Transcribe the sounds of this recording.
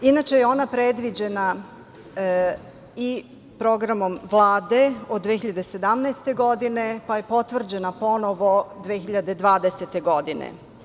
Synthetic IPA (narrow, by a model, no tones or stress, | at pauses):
inat͡ʃe̞jeo̞ːnapɾed̪ʋid͡ʑe̞na | i | pɾo̞ɡɾamo̞mʋlˠaːd̪e̞od̪ːʋexiʎad̪e̞se̞d̪amnɛjst̪e̞ɡo̞d̪ine̞paje̞po̞t̪ʋr̩d͡ʑe̞napo̞noʋo̞d̪ʋeːxiʎad̪ed̪ʋaːd̪eset̪e̞ɡo̞d̪inḛ